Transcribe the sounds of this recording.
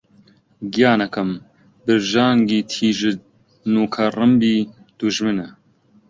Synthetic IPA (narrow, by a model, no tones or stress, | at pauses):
ɡijaːnɐkʰɐm | bɨɾʒaːŋɡiːt̪ʰiːʒɨ | nuːkʰɐrɨmbiː | d̪̥uʒmɨnɛ